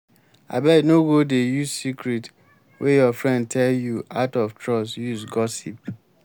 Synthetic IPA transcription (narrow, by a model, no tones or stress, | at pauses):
a̰bɛnoɡodejuzsikɹit | wʔejɔfɹɛ̃nd̚tʰɛljuaʊtɔftʰɹɔsjusɡɔsḭp̚